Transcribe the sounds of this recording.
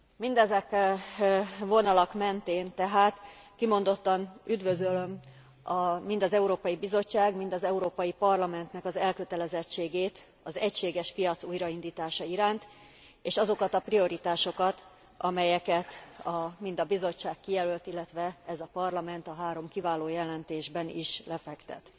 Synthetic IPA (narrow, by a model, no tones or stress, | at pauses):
mind̪ɛzɛk | vo̞nɒlɒkmɛnt̪eːnt̪ɛɦaːt̪kimo̞nd̪o̞t̪ːɒnyd̪vø̞zøløm | ɒmind̪ɒzɛuɾoːpɒjibizo̞t͡ʃːaːɡmind̪ɒzɛuɾoːpɒjipɒrlɒmɛnt̪nɛkɒzɛlkø̞t̪ɛlɛzɛt͡ʃːeːɡeːt̪ | ɒzɛcʃeːɡɛʃpijɒt̪suːjɾɒind̪iːt̪aːʃɒiɾaːnt̪ | eːʃɒzo̞kɒt̪ɒprio̞ɾit̪aːʃo̞kɒt̪ | ʔɒmɛjɛkɛt̪ɒmind̪ɒbizo̞t͡ʃːaːkːijɛlølt̪ilːɛt̪ʋɛɛzɒpɒrlɒmɛnt̪ɒɦaːɾo̞mkivaːloːjɛlɛnt̪eːʒbɛnḭʃlɛfɛkt̪ɛ̰t̪